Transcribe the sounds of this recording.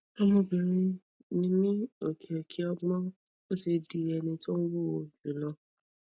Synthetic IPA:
ɛ˧mõ˧bi˨ɾ̃ĩ˧ | nĩ˧˦nĩ˦o˨kʰɛ˨kʰi˨˦ɔ˦˧ɡ͡bɔ̃˦ | o˦se˧di˧˦ɛ˧nĩ˧to˦n̩˦wo˦o˧˨d͡ʒĩ˨˦˨lɔ˧

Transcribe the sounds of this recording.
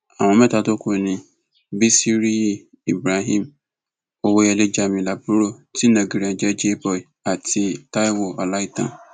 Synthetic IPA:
a̰˨ŋʷʊ˨me˦ta˨to˦kʷo˨nĩ˨ | bi˦si˦ɾi˦ | i˨bɾa˨ɦi˦m˨ | o˨wo˦je˨le˦d͡ʒa˨mi˨la˨bu˦ɾo˦ti˦na˨ɡi˨ɾi˨ã˨d͡ʒe˦d͡ʒe˦bɔ˨i˨a˨tʰɪ˨ta˦jwʊ˨ɔ̰˨la˦i˦ta̰˨n˨

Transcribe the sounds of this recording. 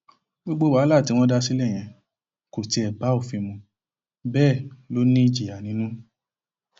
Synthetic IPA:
ɡ͡bo˦ɡ͡bo˦wa˨˦la˦˨ti˨˦w̃ɔ̃˦da˦si˦lɛ˦˨j̃ɛ̃˧ | ko˨ti˨˧˦ɛ˨ba˨˦o˦˨fĩ˧mũ˧ | bɛː˦˨lo˨˦nĩ˦i˦˧˨d͡ʒi˨a˨nĩ˨˦nũ˦

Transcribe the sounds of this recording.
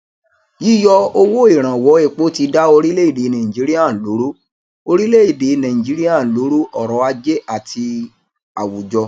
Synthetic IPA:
ji˦jɔ˦˧o˧wo˦i˦˨ɾ̃ã˨wɔ˨˦e˦˨k͡po˦ti˧da˦o˧ɾi˦le˦i˦˨de˨˦nã˨ĩ˨d͡ʒi˨˦ɾi˦a˦˨lo˨˦ɾo˦ | o˧ɾi˦le˦i˨de˨˦nã˨ĩ˨d͡ʒi˨˦ɾi˦ã˦˨lo˨˦ɾo˦ʔɔ˨ɾɔ˨˦a˧d͡ʒe˦a˦˨tʰi˧ | a˨wu˨d͡ʒɔ˧

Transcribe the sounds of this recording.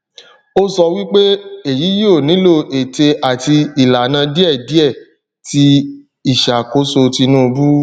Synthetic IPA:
o˦sɔ˧wi˦k͡pe˦e˨ji˨˦ji˦o˦˨nĩ˨˦lo˦˨ʔe˨te˧a˨ti˧i˨la˨nã˧di˦ɛ˦˨di˦ɛ˦˨ | ti˧ | i˦˨ʃa˨ko˦so˧ti˧nũ˦o˧bu˦

